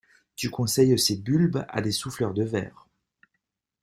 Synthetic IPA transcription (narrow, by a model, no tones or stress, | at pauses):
t̪ykɔ̃sɛjsebylba̰d̪esuflœʁd̪əvɛ̰ːʁ